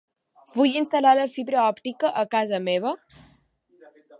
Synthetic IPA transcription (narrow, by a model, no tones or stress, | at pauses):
vujinst̪əlaləfiβɾəɔpt̪ikəʔəkazəmeβə